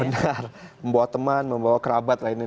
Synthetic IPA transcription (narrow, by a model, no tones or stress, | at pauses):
ənarməmbawat̪əmanməmbawakəɾabat̪̚laini